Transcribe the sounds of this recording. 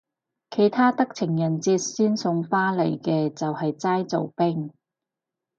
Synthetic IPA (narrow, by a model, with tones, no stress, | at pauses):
kʰe˨˩jt̪ʰaː˥t̪ɐ˥k̚t͡sʰɪ˨˩ŋjɐ˨˩nt͡siː˧t̚siː˥nsʊ˧ŋfaː˥lḛ˨˩jkɛː˧t͡sɐ˨whɐ˨jt͡saː˥jt͡so̰˨wpɪ˥ŋ